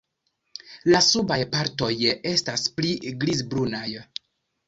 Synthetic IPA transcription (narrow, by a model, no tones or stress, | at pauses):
lasubajpaɾto̞je̞staspliɡlizbɾunaj